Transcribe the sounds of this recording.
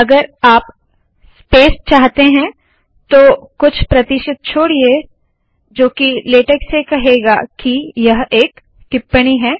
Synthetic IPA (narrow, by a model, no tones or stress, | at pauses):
ɐɡəɾaːp | speːst͡ʃaːɦt̪eɦɛ̃ | t̪oːkʊt͡ʃʰpɾɐt̪ɪʃət̪̚t͡ʃʰoːɽie | d͡ʒoːkileːʈəksekɐɦeːɡa̰ːkijɐɦeːk | ʈɪpːəɽ̃iɦɛː